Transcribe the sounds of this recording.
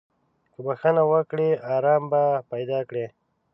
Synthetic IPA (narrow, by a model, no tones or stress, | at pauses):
kəbaxanawəkɽeɑɾɑmbapajd̪ɑkɽe